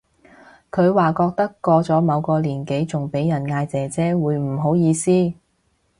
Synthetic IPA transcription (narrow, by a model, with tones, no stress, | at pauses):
kʰɵ˨˧ɥwaː˨˩kɔː˧k̚t̪ɐ˥kːɔː˧t͡sɔː˨˥mɐ˨˧wkɔː˧liː˨˩nke˨˥jt͡sʊ˨˩ŋpe˨˥jjɐ˨˩nŋaː˧jt͡sɛː˨˩t͡sɛː˥wuː˨˧jm̩˨˩ɦo˨˥wjiː˧siː˥